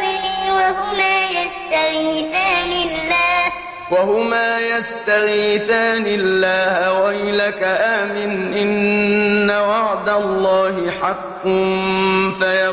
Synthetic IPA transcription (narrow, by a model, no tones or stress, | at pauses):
ɪliːwaɦʊmaːjast̪aɣiːθaːnɪlːaːh | waɦʊmaːjast̪aɣiːθaːnɪlːaːhawajlakaʔaːmɪnʔɪnː | awɑʕd̪alˤːɑːɦɪħɑqːʊ | faja